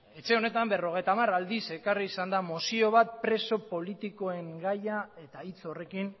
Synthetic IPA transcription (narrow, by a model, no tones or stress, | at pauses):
e̞t͡ʃe̞o̞ne̞t̪ambe̞ro̞ɣe̞jt̪amarald̪ise̞kariːsand̪amosio̞β̞at̪̚pɾe̞so̞po̞lit̪iko̞e̞ŋɡajae̞t̪ait͡so̞re̞kin